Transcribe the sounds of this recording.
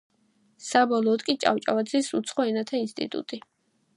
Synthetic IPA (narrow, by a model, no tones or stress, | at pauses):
sabɔlˠɔːd̪kʼit͡ʃʼa̰ft͡ʃʼa̰vad̪zisut̪sʰχɔɛnat̪ʰainst̪ʼḭt̪ʼṵt̪ʼi